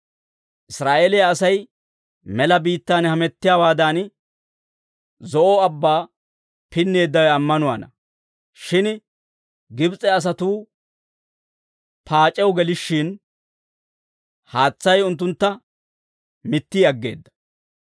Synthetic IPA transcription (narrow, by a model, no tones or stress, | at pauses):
ʔɪsɾaːʔeːlɛjaːsɐj | mɛlɐbiːt̪ːaːnhɐmɛt̪ːɪjaːwaːd̪aːn | zɔʔɔɐbːaː | pɪnːe̞ːd̪ːɐwɐmːɐnʊwa̰ːnɐ | ʃɪn | ɡɪbt͡sʼɛɐs̬ɐt̪uː | pʰaːt͡ʃʼɛwɡɛlɪʃːɪn | haːt͡sːɐjʊnt̪ːʊnt̪ːɐ | mɪt̪ːiɐɡːe̞̰ːd̪ːɐ̥